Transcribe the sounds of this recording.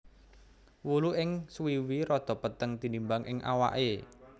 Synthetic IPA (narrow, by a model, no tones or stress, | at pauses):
wuluʔɪŋswiwiɾɔd̪̥ɔ̤pət̪əŋt̪inimbaŋʔɪŋʔa̰wa̰ʔe